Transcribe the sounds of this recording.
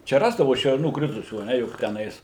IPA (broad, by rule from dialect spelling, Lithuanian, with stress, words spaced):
ˈt͡ʃʲɛ ˈrɑːzdɐʋʊ ʃʲɛrˈnuː ˈkrʲɪtʊsʲuː ɐ ˈnʲɛ jʊk tʲɛˈnɐɪs